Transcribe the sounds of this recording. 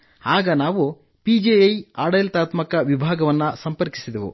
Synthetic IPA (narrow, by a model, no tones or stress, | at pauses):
aːɡɐnaːʋu | pid͡ʒejɐjaːɽɐjlt̪aːt̪mɐkɐʋibʱaːɡɐʋɐnːɐsɐmpɐɾki̥sid̪eʋṵ